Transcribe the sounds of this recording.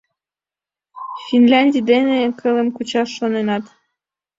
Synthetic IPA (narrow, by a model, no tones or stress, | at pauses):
finlʲɑnʲdʲid̪enekʰɤlĕmkut͡ɕɑʃːonenɑt̪